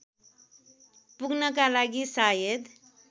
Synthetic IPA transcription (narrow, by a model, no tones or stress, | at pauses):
puɡʱnəkalaɡisajed̪